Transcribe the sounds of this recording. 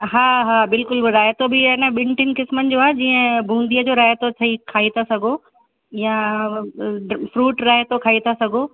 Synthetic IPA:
ɦaːɦaːbɪlkʊlɾaːjt̪obɪɪnəɓɪ̃ɳʈɪnɪ̆kɪsmənɪ̆d͡ʑoːaːɦed͡ʑiːə̃bʱũːnd̪ijəd͡ʑoːɾaːjt̪ot͡ɕʰɐikʰaːit̪ʰasɐɡʱo | jã | ɖfɾuːʈɾaːjt̪okʰaːit̪ʰasɐɡʱo

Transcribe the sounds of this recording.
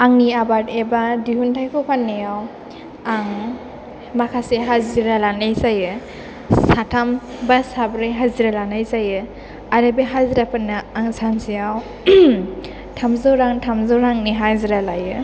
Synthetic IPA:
aŋniabatebadihuntʰajkʰupʰanːijaw | aŋ | makʰaseɦaziɾalanajzajɯ | satʰambasabɾajɦaziɾalanajzajɯ | aɾabeɦaziɾapʰɯnːaaŋsansijaw | tʰamzawɾaŋtʰamzɔwɾaŋniɦaziɾalajɯ

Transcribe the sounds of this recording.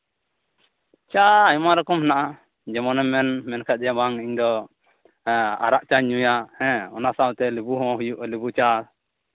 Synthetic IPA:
t͡ʃaːjmaɾɔkɔmhɛnaʔa | d͡ʒɛmɔnɛmɛnmɛnkʰad͡ʒɛabaŋɛiɲd̪ɔ | a̰ɾaʔt͡ʃaɲujahɛ̃ɔnasawt̪ɛlibuɦɔ̃ɦujuʔlibut͡ʃa

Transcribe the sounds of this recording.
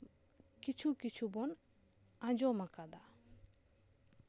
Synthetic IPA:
kit͡ʃʰukit͡ʃʰubɔn | ãd͡ʒɔmakad̪a

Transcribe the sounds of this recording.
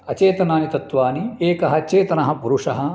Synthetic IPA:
ɐt͡ʃeːt̪ɐnaːnit̪ɐt̪ʋaːnieːkɐɦɐt͡ʃeːt̪ɐnɐɦɐpuɾuʂɐɦɐ

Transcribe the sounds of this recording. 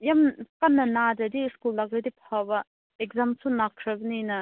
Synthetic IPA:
jamkanːɐnadɐdiskulːaɡɐdipʰabɐ | ekzamsʰunakʰɾɐbninɐ

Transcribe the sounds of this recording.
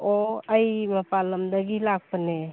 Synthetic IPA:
oəjməpaləmd̪əɡilaɡ̚pəne

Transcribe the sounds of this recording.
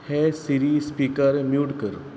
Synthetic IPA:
hesiɾispiːkəɾmjuːɖkəɾ

